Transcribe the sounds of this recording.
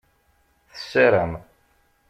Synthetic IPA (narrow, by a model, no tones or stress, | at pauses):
θə̥sæɾæm